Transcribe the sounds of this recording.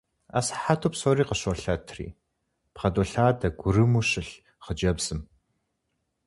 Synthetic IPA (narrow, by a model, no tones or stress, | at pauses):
a̰sħatʰoːpsoːɾiːqəɕɔɬɐtʰrḭː | pχɐdoɬaːdʰɐɡʷʊrɨmuɕɨɬ | χəd͡ʒɐbz̥ɨm